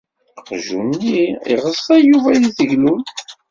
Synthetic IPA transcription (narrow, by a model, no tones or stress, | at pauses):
qʒṵnːiḭʁəsˤːæjuvæjiθəʝlun